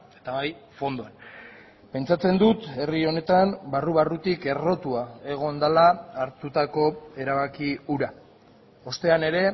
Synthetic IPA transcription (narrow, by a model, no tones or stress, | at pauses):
e̞̥t̪aβajfo̞nd̪oan | pe̞nt͡sat͡se̞nd̪ut̪e̞rio̞ne̞t̪ambaruβarut̪ike̞ro̞t̪uae̞ɣ̞o̞nd̪alaːɾt̪ut̪ako̞e̞ɾaβakiuɾa | o̞st̪e̞ane̞ɾe̞